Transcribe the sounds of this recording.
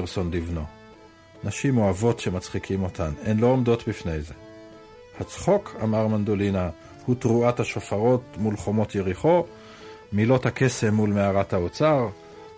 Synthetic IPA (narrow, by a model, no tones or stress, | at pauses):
ʁso̞nlivno̞ | naʃimo̞avo̞tʃe̞mat͡sχikʰimo̞tʰanenlo̞omdo̞tbifne̞jze̞ | hat͡sχo̞kʰamaʁmand̪o̞lina | hutʁuathaʃofaʁo̞tmulχo̞mo̞tjeʁiχo̞ | milo̞thake̞se̞mːulmeaʁathaot͡saʁ